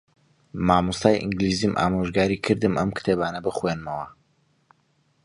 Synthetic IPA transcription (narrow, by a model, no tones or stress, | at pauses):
maːmust̪aːjʔɨ̰ŋɡliːzimʔa̰ːmoʒɡaːɾikʰɨɾd̪ɨmɐmkɨ̥t̪ʰeːbaːnɐbɨχwenmɐwɐ